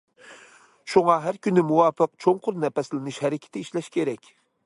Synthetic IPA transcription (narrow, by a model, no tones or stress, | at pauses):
ʃuŋɑɦæɾkʲynɪmuwɑːfəq̚t͡ʃʰoŋqʰʊɾnɛpɛslɪnɨʃhɛɾɪkʲʰɪ̥t̪ʰɪiʃlɛʃkʲeɾɛkʲ